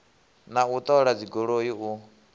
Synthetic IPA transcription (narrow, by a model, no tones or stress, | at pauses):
naut̪ʼɔɺad͡ziɡoɺojiu